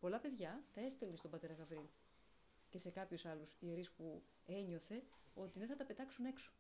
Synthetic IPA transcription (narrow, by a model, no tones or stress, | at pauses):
po̞lɐpe̞ðʝɐt̪ɐe̞st̪elinst̪o̞bɐt̪e̞ɾɐɣɐvɾiil | ce̞se̞kɐpçusɐlusieɾispu | e̞ɲo̞θe̞o̞t̪iðeθɐt̪ɐpe̞t̪ɐksune̞kso̥